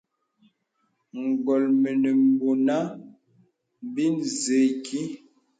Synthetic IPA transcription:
ŋ̩˨ɡɔ˨lme˨ne˨m˨bo˨na˦ | bi˦nze˨kʰi˦

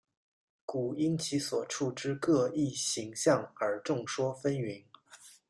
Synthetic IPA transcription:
ku˨˩i˥nt͡ɕʰi˧˥swɔ˨˩ʈ͡ʂʰu˥˧ʈ͡ʂɻ̩˥kɤ˥˧i˥˩ɕi˧˥ŋɕjɑ˥˩ŋə˞˧˥ʈ͡ʂʊ˥˩ŋʂwɔ˥fə˥ny˧˥n

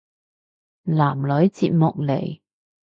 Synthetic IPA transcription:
laː˨˩mlɵ˨˥ɥt͡sḭː˧t̚mʊ˨k̚lḛ˨˩j

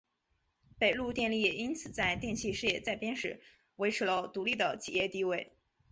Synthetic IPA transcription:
pe˨˩ɪlu˥˧t̪jɛ˥˧nli˥˩jɛ˨˩i˥nt͡sʰɹ̩˨˩t͡sa˥˧ɪt̪jɛ˥˧nɕʰi˥˧ʂɻ̩˥˧jɛ˥˩t͡sa˥˩ɪpjɛ˥nʂɻ̩˧˥ | we˧˥ɪʈ͡ʂʰɻ̩˧˥lə˧t̪u˧˥li˥˩d̪ə˩t͡ɕʰḭ˨˩jɛ˥˧t̪i˥˧we˥˩ɪ

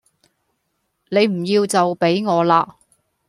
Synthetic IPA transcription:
ne˨˧jm̩˨˩jiː˧wt͡sɐ˨wpe˨˥jŋɔː˨˧laː˧

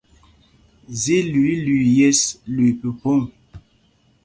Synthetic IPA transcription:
zi˦lɥi˦lɥi˨jɛ˦slwi˨pə˨po˦ŋ

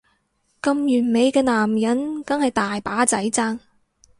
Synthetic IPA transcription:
kɐ˧mjyː˨˩nme˨˧jkɛː˧naː˨˩mjɐ˨˥nkɐ˨˥nhɐ˨jt̪aː˨jpaː˨˥t͡sɐ˨˥jt͡saː˥ŋ

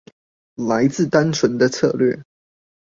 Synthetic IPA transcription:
la˧˥ɪt͡sɹ̩˥˩t̪a˦nt͡sʰwə˨˧˥nd̪ə˧t͡sʰɤ̰˥˧lɥɛ˥˩

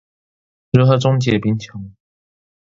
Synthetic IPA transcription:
ɻ̩˧˥xɤ˧˥ʈ͡ʂʊ˥ŋt͡ɕjɛ˨˩pi˧˥nt͡ɕʰjɑ˧˥˦ŋ

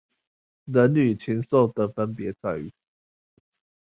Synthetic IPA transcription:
nə˨˦nly˨˩t͡ɕʰi˨˦nso˥˨ʊt̪ə˨fə˦npjɛ˨˦t͡sa˥˧ɪy̰˥˨˩

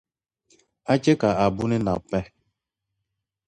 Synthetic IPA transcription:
a˦t͡ʃe˦ka˨a˨bu˦ni˦na̰˨pɛ˦

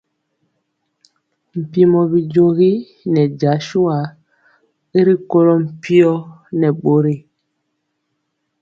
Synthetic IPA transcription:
m̩˨pi˦mɔ˨bi˨d͡ʒo˦ɣi˦ | nɛ˨d͡ʒa˨˦ʃu˦a˨ | i˦ɾi˦ko˦lɔ˦m̩˨pi˦ɔ˦ | nɛ˨ɓo˦ɾi˦˨

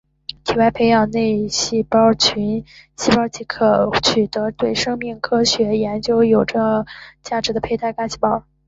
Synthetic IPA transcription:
t̪ʰi˨˩wa˧˥ɪpʰe˧˥ɪjɑ˨˩ŋne˥˧ɪɕi˥˩pɑ˥ʊt͡ɕʰy˧˥nɕi˥˩pɑ˥t͡ɕʰi˧˥kʰɤ˨˩t͡ɕʰy˨˩t̪ɤ˧˥t̪we˥˩ɪʂɤ˥ŋmi˥˩ŋkʰɤ˥ɕɥɛ˧˥jɛ˧˥nt͡ɕjo˥ʊjo˨˩ʊʈ͡ʂə˩t͡ɕja˥˩ʈ͡ʂɻ̩˧˥d̪ə˧pʰe˥˧ɪt̪ʰa˥˩ɪka˥t͡ɕʰi˥˩pɑ˥ʊ

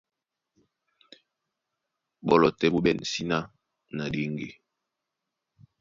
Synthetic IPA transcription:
bɔ˨lɔ˨tɛ˨bu˦ɓɛ˨n˨si˦na˦ | na˨de˦ŋɡe˨

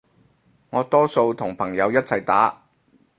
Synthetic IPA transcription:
ŋɔː˨˧t̪ɔː˥so˧wt̪ʰʊ˨˩ŋpʰɐ˨˩ŋjɐ˨˧wjɐ˥t̚t͡sʰɐ˨˩jt̪aː˨˥

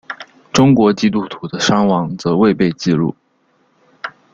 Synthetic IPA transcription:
ʈ͡ʂʊ˥ŋkwɔ˧˥t͡ɕi˥t̪u˥˩t̪ʰu˧˥d̪ə˧ʂɑ˥ŋwɑ˧˥ŋt͡sɤ˧˥we˥˧ɪpe˥˧ɪt͡ɕi˥˧lṵ˥˩

